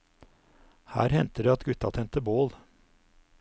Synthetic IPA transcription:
hæ̰ːɾhɛnt̪əd̪eːɑt̪ɡʉt̪ɑ̰t̪ʰɛnt̪əboːl

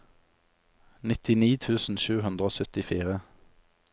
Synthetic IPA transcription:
nɪt̪ɪniːt̪ʰʉːsn̩ʃʉːhʉnd̪ʁəoːsœt̪ɪfiːʁə

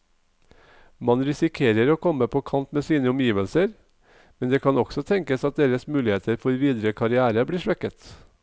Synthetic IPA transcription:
mɑnɾɪsɪkʰeːɾəɾoːkʰɔməpʰoːkʰɑnt̪meːsiːnəʊmjiːʋəlsəɾ | mɛnd̪eːkʰɑnɔksɔt̪ʰɛŋkəsɑt̪̚d̪eːɾəsmʉːlɪheːt̪əɾfɔɾʋiːd̪ɾəkʰɑɾɪæːɾəbliːʂʋɛkət̪

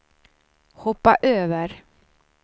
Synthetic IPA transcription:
hɔpːaʔøːvəɾ

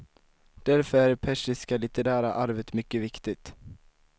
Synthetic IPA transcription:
d̪̥æɾfœɾæɾpʰɛʂɪskalɪt̪ɛɾæːɾa̰ʔaɾvət̪mʏkːəvɪkt̪ɪt̪

